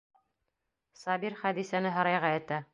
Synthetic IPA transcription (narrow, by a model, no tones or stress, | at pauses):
sɑbiɾχæd̪isænɘɦɤ̆ɾɑjʁɑɘ̆t̪æ